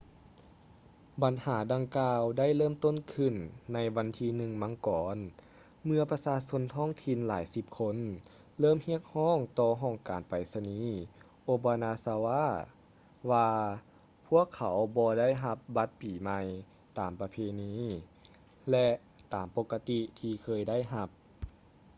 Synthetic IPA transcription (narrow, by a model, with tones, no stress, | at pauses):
ba˨nhaː˩˦da˧ŋkaː˧wda˥˨jlɤː˥˨mt̪o˥˨nkʰɯ˧˩nːa˧jʋa˧nt̪ʰiː˧nɯ˧ŋma˧˥ŋkɔː˨˦n | mɯ˧ɐpa˧saː˧so˧˥nt̪ʰɔː˥˨ŋt̪ʰi˧nla̰ː˩˦jsi˧˦p̚kʰo˧˥n | lɤː˥˩˨mhi˧˥˨ək̚hɔː˥˩ŋt̪ɔː˧ɦɔː˧˩ŋkaː˨˩npa˨˩jsa˧niː˧˥ | ʔoː˧baː˧naː˧sa˧waː˧˥˩ | waː˧ | pʰu˥˩əkʰːa˨˦wbɔː˧da˥˩˨jɦa˧p̚ba˧˦t̪̚piː˨˩ma˧j | t̪aː˨˩mpa˧pʰeː˧niː˧˥ | lɛ˧ | t̪aː˨˩mpo˧kːa˧t̪i˧t̪ʰiː˧kʰɤː˧jda˥˩˨jɦa˧p̚